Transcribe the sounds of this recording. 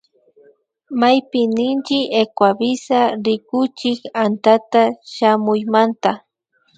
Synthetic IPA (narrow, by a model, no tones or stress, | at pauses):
majpɪnɪnt͡ʃɪekwabɪsaɾɪkʊt͡ʃɪkant̪at̪aʃamʊjmant̪a